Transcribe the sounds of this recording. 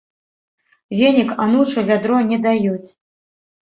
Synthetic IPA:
vʲenʲikanut͡ʂuvʲad̪ɾɔnʲɛd̪ajut͡sʲ

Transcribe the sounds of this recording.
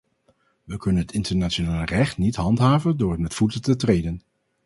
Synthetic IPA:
ʋəkɵnənɦətɪntəɹnaːt͡ʃonaːlˠrɛχtnitɦɑntɦaːvəndʊːrətmɛtfutətətrejdən

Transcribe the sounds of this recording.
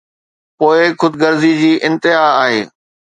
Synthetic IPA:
poːɪxʊd̪ɡəɾzid͡ʑiːʔɪ̃nt̪ɪɦaːɦeː

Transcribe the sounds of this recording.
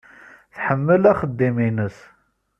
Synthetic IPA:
θħəmːəlæχəd̪ːiminəs

